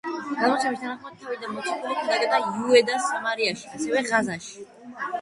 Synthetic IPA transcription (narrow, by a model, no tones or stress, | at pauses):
ɡ̥amɔt̪sʰamist̪ʰanaχmad̪̚t̪ʰːavid̪anmɔt̪sʰɔk̪ʰulikʰad̪ad̪ɛb̪ajuɛd̪asamaɾiaʃiasɛvɛʁazaʃi̥